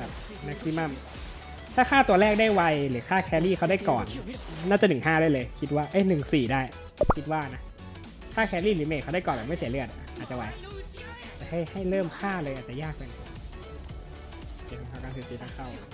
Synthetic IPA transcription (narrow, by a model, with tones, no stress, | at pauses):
a˨˩ | na˧˦˥k̚si˧ma˧˥˩m | t̪ʰaː˥˩kʰaː˥˩t̪u˧ɐlɛː˥˩k̚da˥˩jwa˧jlɯː˨˦kʰaː˥˩kʰɛː˧liː˥˩xʰa˥˩wda˥˩jkɔː˨˩nnaː˥˩t͡ɕa˨˩nɯ˨˩ɦaː˥˩ɾa˥˩jlɤː˧jkʰi˦˥t̪̚waː˥˩ʔɤː˦˥˩nɯ˨˩ŋsiː˨˩daː˥˩j | kʰi˦˥t̪̚waː˥˩na˦˥ | kʰaː˥˩kʰɛː˧liː˥˩lɯː˨˦meː˧˩t̪̚kʰa˧˥˩a˥˩jkɔː˨nbɛː˨˩ma˥˩si˩˦lɯ˥˩ə˨a˧˩ʔaː˨˩t̪̚t͡ɕa˨wa˧˩j | a˩˨t͡ɕaː˨˩ha˥˩jha˥˩jlɤː˥˩mkʰaː˥˩lɤː˧jʔaː˨˩t̪̚t͡ɕa˨˩jaː˥˩k̚pa˧jna˧˩˧ | i˧˦˩kʰa˧ŋkʰa˧˩ka˧˩nsʰɯː˨˧˦siː˧t̪ʰaː˥˩ŋkʰa˥˩w